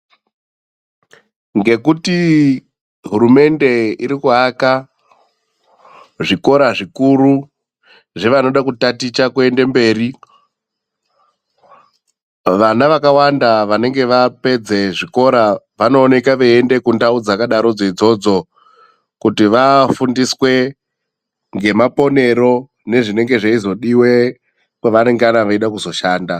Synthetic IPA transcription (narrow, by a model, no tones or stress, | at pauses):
ŋɡe̞kuti | ɦuɾume̞nde̞iɾikuɦaka | ʐiko̞ɾaʐikuɾu | ʐeʋano̞ɗakutatit͡ʃakue̞nde̞mbe̞ːri | ʋanaʋakawandaʋane̞ŋɡe̞ʋape̞d͡ze̞ʐiko̞ɾa | ʋano̞ːne̞kaʋeende̞kundaud͡zakaɗaɾo̞d͡zeid͡zo̞d͡zo̞ | kutiʋafundiswe̞ | ŋɡe̞mapo̞ne̞ɾo̞ | ne̞ʐine̞ŋɡe̞ʐaizo̞ɗiwe̞ | kweʋane̞ŋɡeanaʋaiɗakuzo̞ʃaːnda